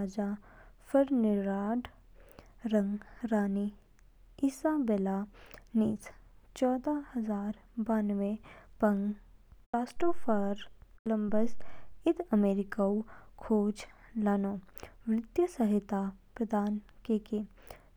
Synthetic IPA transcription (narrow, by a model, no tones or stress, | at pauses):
ad͡ʒafʰəɾnɪɾaːɖ | ɾə̃ŋɡɾaːni | ɪsaːbelaniːst͡ʃɔːd̪ahɐzaːɾ | baːnʋepɐŋɡpaːsʈoːfʰəɾləmbəsɪd̪əmeːɾɪkaukʰoːd͡ʒ | laːnoːʋɾɪt̪jəsəɦɪt̪apɾəd̪ʱaːn | keke